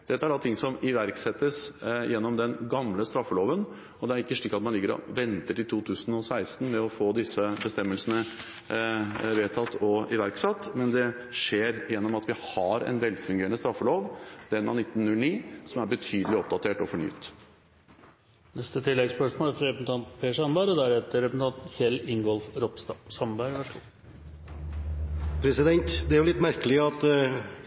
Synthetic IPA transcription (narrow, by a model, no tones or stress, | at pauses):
d̪̥ɛt̪ːəæɖɑt̪ʰɪŋːsɔmɪʋæɾksɛt̪ːəsjɛnːɔmd̪ɛnɡɑmləst̪ɾɑfːəloːʋən | ɔd̪ɛæɾɪkːəʂɭiːkːɑt̪mɑnlɪɡəɾɔ̰ʋɛnt̪əʈɪlt̪ʰuːt̪ʰʉːsn̩ɔsæɪsn̩mɛɔfoːd̪ɪsəbəst̪ɛmːəlsənə | ʋeːt̪ʰɑt̪ːɔɪʋæɾksɑt̪ːmɛnd̪ɛ | ʂeːɾjɛnːɔmɑt̪ʋɪhɑɾɛ̰ɪnʋɛlfʉŋɡeːɾəɳəst̪ɾɑfːəloːʋd̪ɛnːɑ̰nɪt̪ːnnːʉlniːsɔmæɾbət̪ʰyːd̪əlɪɔp̚d̪ɑt̪ʰeːʈɔfɔɳy̰ːt̪ | nɛst̪ət̪ʰɪlːɛɡspœʂmoːlæɾfɾɛpənt̪ʰɑnt̪pʰeːʂɑnbæːɾɔd̪æɾhɛːt̪əɾɛssn̩t̪ɑnt̪sɛlɪŋɡɔlfɾɔpsɑsɑmbæɾʋæ | pʰɾɛsɪd̪ɛnt̪d̪ɛæɾjʊlɪt̪ːmæɾkəlɪəɑt̪